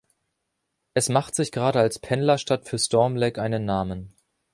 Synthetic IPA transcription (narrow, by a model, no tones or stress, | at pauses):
ʔɛsmaχtz̥ɪçɡ̥əʁaːɾəalspʰɛnlɐʃtatfyːɐstɔɐmlɛkʔaɪnənːaːmən